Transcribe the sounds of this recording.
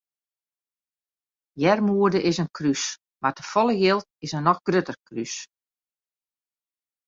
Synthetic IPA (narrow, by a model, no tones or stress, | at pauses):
jɛrmuədəʔɪsənkʰrys | martəfɔlˠəjɪlˠt̚ɪsənːɔxɡrøtərkrys